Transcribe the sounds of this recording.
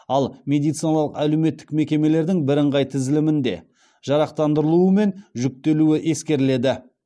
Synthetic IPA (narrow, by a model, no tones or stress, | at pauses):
ɑlˠmʲe̞d̪ijt̪sɨjnɑlˠəqælewme̞t̪ːɪ̥kme̞kʲe̞me̞le̞ɾd̪ɪŋbɪɾəɴʁɑjt̪ʰɪzɪlɪmɪnd̪e̞̰ | ʒ̥ɑɾɑqt̪ɑnd̪əɾəlˠuəme̞nʒʏk̚t̪e̞luɪʔe̞skʲe̞ɾle̞d̪ɪ